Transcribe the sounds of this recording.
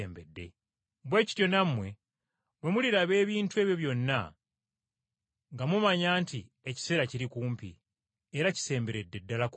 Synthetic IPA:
eːmbedːe̞̰ | bwe̞ːci̥tjo̞namːwe̞ | βwe̞muliɾaβe̞ːβiːntue̞ːβjo̞βjo̞nːa | ŋɡamumaɲaːnti | eci̥se̞ɾaciɾikuːmpi | eɾaci̥se̞ːmbe̞ɾe̞dːe̞dːalak

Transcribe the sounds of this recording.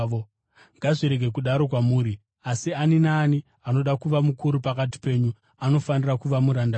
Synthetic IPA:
o | ŋɡaʐiɾe̞ɡʱe̞k̬uɗaɾo̞k̬wamuːɾi | asianinaːni | ano̞ɗakuʋamukuɾupakati̥pe̞ːɲu | ano̞fanirakuʋamuɾanda

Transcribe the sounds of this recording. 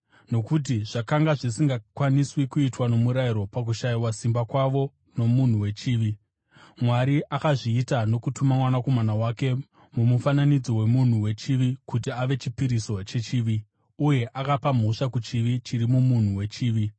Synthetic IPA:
no̞kut̬iʐ̥akaŋɡaʐisiŋɡakwaniswikuitwano̞muɾaiɾo̞pak̬uʃaiwasimbakwaʋo̞ | no̞mun̤uwe̞t͡ʃiːʋi | mwaɾiʔakaʐiːtano̞kutumamwanako̞manawake̞ | mumufananid͡zo̞we̞mun̤uwe̞t͡ʃiʋikutiaʋe̞t͡ʃipiɾiso̞t͡ʃe̞t͡ʃiːʋi | uje̞ʔakapam̤o̞ʂakut͡ʃiʋit͡ʃiɾimumun̤uwe̞t͡ʃiːʋi

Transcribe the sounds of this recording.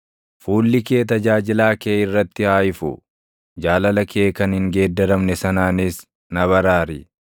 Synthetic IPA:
fuːlːɪke̞ːt̪ɐd͡ʒaːd͡ʒɪlaːkeːɪrːɐt̪ːɪhaːjɪfʊ̰ | d͡ʒaːlɐlɐkʰe̞ːkɐnhɪŋɡe̞ːd̪ːɐɾɐmnɛsɐnaːnɪs | nɐβɐɾaːɾɪ

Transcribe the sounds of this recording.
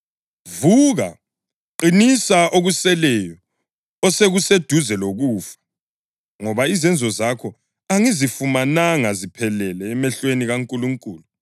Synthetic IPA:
vuɣa̰ | ǃinisaʔoɣusɛlɛjɔ | ɔseɣused̥ʱuzɛloɣuːfḁ | ŋɔβaizɛnd͡zʱɔzakʰɔ | aŋizifumanaŋazipʰɛlɛlɛːmɛɬweniɣaŋkʼuluŋkʼuːlu

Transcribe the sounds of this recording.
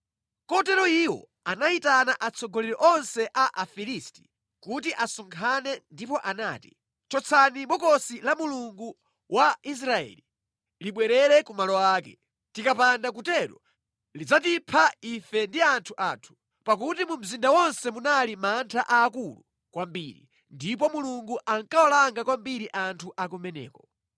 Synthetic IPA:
kɔtɛɾɔiwɔ̰ | anaitanaʔat͡sʰɔɡɔlɛɾɔʔɔnsɛʔaʔafilisti̥ | kutiʔasɔŋkʰanɛndipɔʔanaːti̥ | t͡ʃɔt͡sʰaniɓɔkɔsilamuluŋɡu | wʔais̬ɾaɛ̰li | liɓwɛɾɛɾɛkumalɔwaːkɛ̰ | tikapandak̬utɛɾɔ̰ | lid͡zatipʰaifɛndiantʰuʔatʰu̥ | pak̬utimum̩zindawɔnsɛmunalimantʰaʔaːkulṵ | kwambiɾḭ | ndip̬ɔmuluŋɡuʔaŋkaɔlaŋɡakwambiɾiʔantʰuʔakumɛnɛ̰ːkɔ

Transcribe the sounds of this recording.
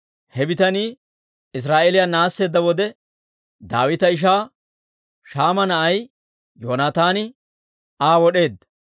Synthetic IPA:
hɛbɪt̪ɐniː | ɪs̬ɾaːʔɛlɪjaːnaːsːe̞ːd̪ːɐwɔd̪ɛ | d̪a̰ːwɪt̪ɐɪʃ̬aː | ʃaːmɐnɐʔɐj | joːnaːt̪aːnɪ | aːwɔɗe̞ːd̪ːɐ

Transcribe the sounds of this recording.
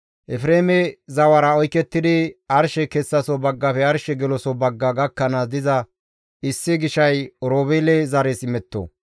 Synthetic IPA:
ʔɛfɾeːmɛzɐwɐɾɐɔjkːɛt̪ːɪd̪ɪɐɾʃɛkɛsːɐsɔbɐɡːɐpɛɐɾʃɛɡɛlɔsɔbɐɡːɐɡɐkːɐnɐd̪ɪzɐ | ɪsːɪɡɪʃɐjɔɾoːbeːlɛzɐɾesɪmɛt̪ːo̰

